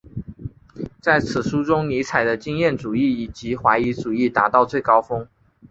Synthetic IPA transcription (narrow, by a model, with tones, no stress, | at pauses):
t͡sa˥˩ɪt͡sʰɹ̩˨˩ʂu˥ʈ͡ʂʊ˥ŋni˧˥t͡sʰa˨˩ɪd̪ə˦t͡ɕi˥ŋjɛ˥˩nʈ͡ʂu˨˩i˥˩i˨˩t͡ɕi˧˥˦xwa˧˥ɪi˧˥ʈ͡ʂu˨˩i˥˩t̪a˧˥t̪ɑ˥˧ʊt͡swe˥˩ɪkɑ˥ʊfɤ˥ŋ